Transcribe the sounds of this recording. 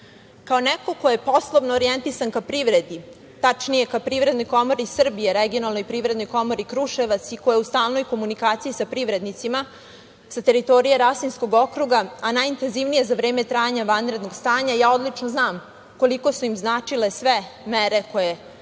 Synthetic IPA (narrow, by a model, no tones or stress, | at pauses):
kaonɛko̞ko̞je̞po̞slˠoʋnoːɾijent̪isankapɾiːʋɾe̞d̪i | t̪at͡ʂnije̞kapɾivɾed̪no̞jko̞mo̞ɾisr̩bijeɾeɡio̞nalˠnojpɾivɾed̪no̞jko̞mo̞ɾikɾuʃe̞ʋat̪siko̞jeust̪aːlˠno̞jko̞munikaːt̪sijisapɾiʋɾe̞d̪nit̪sima | sat̪e̞ɾit̪o̞ɾijeɾasinsko̞ɡo̞kɾuɡaanajint̪e̞nziʋnije̞zaʋɾe̞ːme̞t̪ɾaːjaɲaʋanvɾe̞d̪no̞ɡst̪aːɲajaːo̞d̪lit͡ʂnoznaːm | ko̞liko̞suimznaːt͡ʂile̞sʋemeɾe̞koje